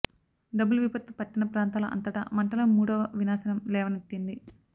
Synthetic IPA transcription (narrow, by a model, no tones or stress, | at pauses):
ɖɐbulʋipɐt̪ːupɐʈːinɐpɾaːnt̪aːlɐʔɐ̰nt̪ɐʈɐ̰mɐɳʈɐlɐmuːɽɐʋɐʋinaːsɐnɐmlɛːʋɐnet̪ːind̪i